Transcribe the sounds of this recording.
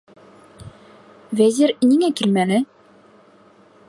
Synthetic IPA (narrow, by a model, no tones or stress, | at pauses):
væzʲiɾniŋækilmænɘ